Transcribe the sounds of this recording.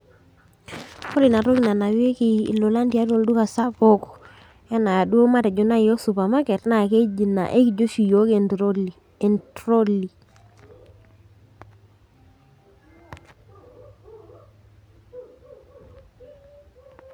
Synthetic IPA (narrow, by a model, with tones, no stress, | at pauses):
kɔ˦ɾi˨na˨ɾo˦ki˨na˨na˨wi˦e˦kḭ˨lo˨la˦ndi˨a˦do˦˨ldu˦ka˨sa˦po˦k | e˦na˨ja˨du˦o˦ma˦te˨d͡ʒo˨˦na˦˨o˦su˨pa˨ma˦ke˨tna˦˨ke˦d͡ʒi˨na̰˨ʔe˦ki˨d͡ʒo˦ʃi˨jo˦k | ntɾo˦li˨